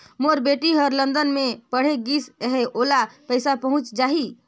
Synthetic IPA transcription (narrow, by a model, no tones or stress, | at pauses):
moɾbeʈiɦəɾlənd̪ənmepəɽ̤eɡiseɦeʔolapəjsapəɦũt͡ʃd͡ʒaɦi